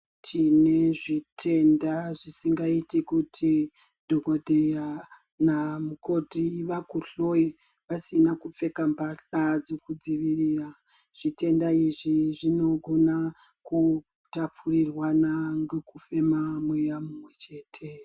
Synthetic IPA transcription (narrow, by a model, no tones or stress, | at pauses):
tʰine̞ʐitʰe̞ndaʐisiŋɡaitikutʰi | dʱoɡodʱeja | namuko̞tiʋakuɬo̞i | ʋasinakup͡fe̞kambaɬad͡zekud͡ziʋiriːra | ʐ̥ite̞ndaiʐiʐino̞ɡʱo̞na | ku | tapʰurirwanaŋɡekufe̞mamwejamumwe̞t͡ʃe̞ːtʰe̞